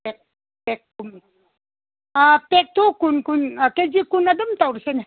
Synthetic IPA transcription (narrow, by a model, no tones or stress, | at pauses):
ek̚ | pek̚tum | apek̚t̪okunkunked͡ʒikunɐd̪ɐmt̪awɾsen